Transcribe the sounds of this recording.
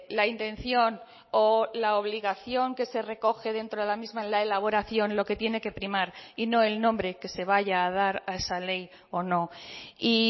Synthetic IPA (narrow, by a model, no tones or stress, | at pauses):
laint̪ẽ̞n̟θjo̞n | olaoβ̞liɣaθjo̞ŋke̞se̞re̞ko̞xe̞ð̞e̞nt̪ɾoðelamizmanlaelaβ̞o̞ɾaθjo̞nlo̞ke̞t̪je̞ne̞ke̞pɾimaɾino̞e̞lnõ̞mbɾe̞ke̞se̞β̞aʝaːð̞aɾae̞sale̞j | o̞no̞i